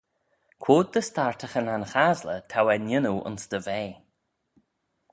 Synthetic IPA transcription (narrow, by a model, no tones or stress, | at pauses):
kʰwoːd̪̚dəstaɹt̪ʰəxənanxazlət̪ʰawɛnjɪnuʔʊ̰nsd̪əveː